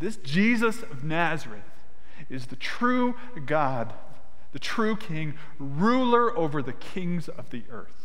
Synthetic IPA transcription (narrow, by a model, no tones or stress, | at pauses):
ðɪsd̥ʒ̥izɨsʌvnæzə˞ɨθ | ɨzðɨtʰɹ̥ʉ | ɡɑ | d̪ | ðɨtʰɹ̥ʉkʰɪ̃ŋ | ɹulˠə˞ʔoʊvə˞ðɨkʰɪ̃ŋzʌvðiʔɜ̰˞θ